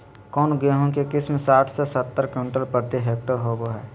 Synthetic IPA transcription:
kɔːnɡeɦõnkekɪsmesaːʈʰsesət̪ːəɾkẽɳʈəlpəɾt̪iɦeːk̚ʈəɾɦoɡoɦɛː

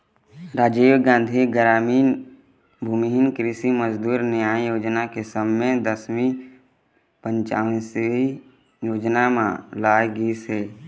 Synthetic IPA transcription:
ɾaːd͡ʒiːwɡãːn̆d̪ʱiɡəɾaːmiːn | bʱuːmiɦɪnkɾisiməzd̪uːɾnɪjaːjoːd͡ʒnakesəmːẽd̪əsmi | pə̃ɲt͡ʃa̰ːʋnsi | joːd͡ʒnamã̰laːɡiːseː

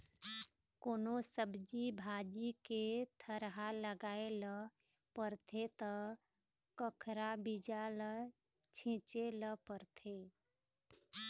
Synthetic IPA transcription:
koːnosəbd͡ʒibʱad͡ʒiket̪ʰəɾɦaləɡaːelə | pəɾt̪ʰet̪ɔ | kəkʰɾabid͡ʒalə | t͡ʃʰɪ̃t͡ʃeləpəɾt̪ʰe

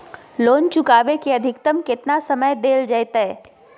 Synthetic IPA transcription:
loːnt͡ʃʊkaːʋekeəd̪ʱɪkt̪əmkɪt̪nasəməjd̪eːld͡ʒəjt̪əɛ

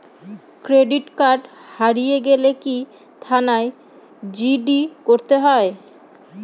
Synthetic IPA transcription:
kɾeɖiʈkaɾɖhaɾijeɡeleki | t̪ʰanae | d͡ʑiɖikoɾt̪eɦɔe

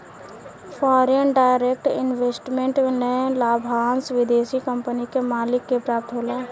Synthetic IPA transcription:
fʰɔːɾənɖaɪɾek̚ʈɪ̰nʋesʈmẽɳʈnelaːbʱɦaːnsʋɪd̪esikəmpənikemaːlɪkːepɾaːp̚t̪ɦola

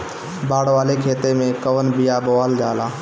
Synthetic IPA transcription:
baːɽʋaːlekʰeːt̪emẽkəʋənbijaboʋəld͡ʒaːlaː

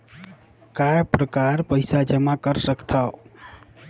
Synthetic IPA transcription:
kajpɾəkaɾpəɪsad͡ʒəmakəɾsəkt̪ʰao

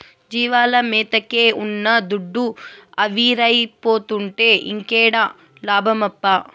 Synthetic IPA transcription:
d͡ʒiːʋaːlɐmiːt̪ɐkeːʔunːɐd̪uɖːuɐʋiːɾɐjpoːt̪uɳʈe̞ːʔiŋkeːɽaː | laːbʱɐmɐpːa

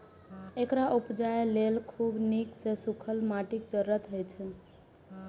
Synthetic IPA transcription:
ekɾaʔupd͡ʒajelelkʰubniksesukʰəlmaʈikd͡ʒəɾːət̪ɦojt͡ʃʰɛ

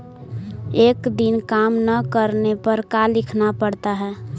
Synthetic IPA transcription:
eːkd̪inkaːmnəkəɾnepəɾkalɪkʰnapəɽt̪aɦɛː

